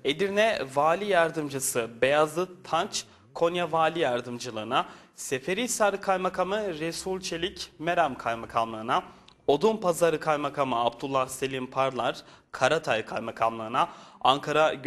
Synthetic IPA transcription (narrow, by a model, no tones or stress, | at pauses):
e̞d̪iɾnɛvaːlʲijaɾd̪ɯmd͡ʒɯsɯbe̞jazlˠɯt̪ʰant͡ʃ | kʰo̞njavaːlʲijaɾd̪ɯmd͡ʒɯlˠɯːna | se̞fe̞ɾisaɾɯkʰajmakʰamɯɾesulʲt͡ʃʰelʲicmeɾamkʰajmakʰamlˠɯːɯnao̞d̪umpazaɾɯkʰajmakʰamɯabd̪ulˠːahse̞lʲimpʰaɾlˠaɾ̥kʰaɾat̪ʰajkʰajmakʰamlˠɯɯnaaŋkʰaɾaɟ